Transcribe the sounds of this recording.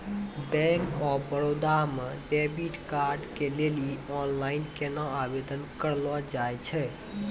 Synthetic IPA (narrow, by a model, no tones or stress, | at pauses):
bɛ̃ŋkɔbəɾod̪ameɖebiʈkaɾɖkeleliɔnlainkenəabed̪ənkəɾlɔd͡ʒajt͡ʃʰɛ